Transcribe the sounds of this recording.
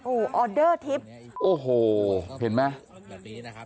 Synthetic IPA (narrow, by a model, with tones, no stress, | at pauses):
ʔoː˧˩ʔɔː˧dɤː˥˩t̪ʰi˦˥p̚ʔoː˨˩ɦoː˨˩he˩˦nmɛ˦˥